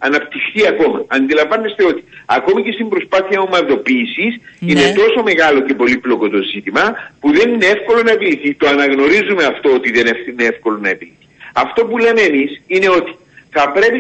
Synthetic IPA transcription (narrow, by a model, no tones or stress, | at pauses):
ɐ̰nɐpt̪ixθiɐko̞mɐɐnd̪ilɐɱvɐnːest̪e̞o̞t̪i̥ɐko̞mice̞st̪imbɾo̞spaθiɐomɐɾðo̞piːsisine̞t̪o̞so̞me̞ɣɐlo̞ce̞po̞liplo̞ko̞t̪o̞zit̪imɐpuðe̞ninee̞fko̞lo̞nɐepiliθit̪oɐnɐɣno̞ɾizumeɐft̪o̞ot̪iðeneineefko̞lo̞nɐepiliθi̥ɐft̪o̞pule̞meːmisine̞o̞t̪i̥ | θɐpɾe̞pi